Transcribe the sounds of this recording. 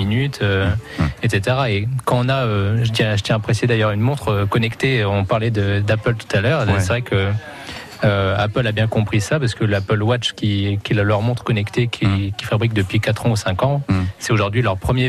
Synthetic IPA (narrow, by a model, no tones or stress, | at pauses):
inyt̪ʰøet̪set̪eʁaekɑ̃ɔ̃naøʒət̪jɛ̃ʒət̪jɛ̃apχesed̪ajœʁynmɔ̃t̪χəkɔnɛkt̪eɔ̃paʁlɛd̪əd̪apœlt̪u̥t̪alœʁs̬ɛvʁɛkʰəː | apœlabjɛ̃kɔ̃pχisapaʁsə̥kəlapœlwat͡ʃkʲikʲɛllœʁmɔ̃t̪χə̥kɔnɛkt̪ekʲʰikʲi̥fabʁik̚d̪əpɥikat̪χɑ̃usɛ̃kɑ̃sɛoʒuʁd̪ɥilœʁpχəmje